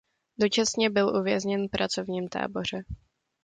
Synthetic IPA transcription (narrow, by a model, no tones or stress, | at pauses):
do̞t͡ʃasɲɛbɪlʔuvjɛzɲɛnfpɾʔat͡so̞vɲiːmt̪a̰ːbo̞r̝ɛ